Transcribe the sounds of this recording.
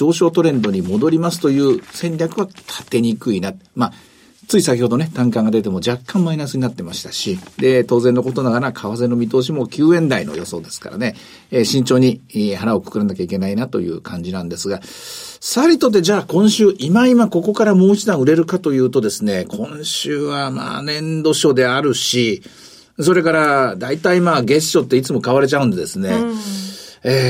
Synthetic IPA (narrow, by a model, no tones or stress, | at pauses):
o̞ːɕo̞ːt̪o̞ɾẽ̞nd̪o̞ɲ̟imo̞d̪o̞ɾʲimas̬ɨ̥t̪o̞jɯ̟ːsẽ̞ɲɾʲjakɯ̟βat̪ʰḁt̪e̞ɲ̟ikɯinat̪ma | t͡sɨisakʲiho̞d̪o̞ne̞t̪ãŋkãŋɡad̪e̞t̪e̞mo̞d͡ʑakːãmːainasɨɲinat̪ːe̞maɕi̥t̪aɕid̪e̞t̪o̞ːzẽ̞nːo̞ko̞t̪o̞naɡanakʰaβase̞nomʲit̪o̞ːɕ̬imo̞kʲɨːẽ̞nd̪aino̰jo̞so̞̰ːd̪e̞sɨ̥ka̰ɾa̰ne | ɕĩɲ̟t͡ɕo̞ːɲ̟ihaɾao̞kɯ̥kɯ̟ɾanakʲaike̞nainat̪o̞̰jɯ̟̰ːkʰãɲ̟d͡ʑinãnd̪e̞sɨɡasaɾʲit̪o̞t̪ːe̞d͡ʑaːkõ̞ɰ̃ɕɨːʔimaimako̞ko̞kaɾamoːit͡ɕid̪ãɰ̃ɯ̟ɾe̞ɾɯ̟kat̪o̞jɯ̟ːt̪o̞d̪e̞sɨne̞kʰõ̞ɰ̃ɕɨːβama̰ːnẽ̞nd̪o̞ɕo̞d̪e̞aɾɯ̟ɕi | so̞ɾe̞kaɾad̪ait̪aimaːɡe̞ɕɕo̞t̪ːeit͡sɨmo̞kaβaɾe̞t͡ɕaɯ̟̃nd̪e̞d̪e̞sɨne | eː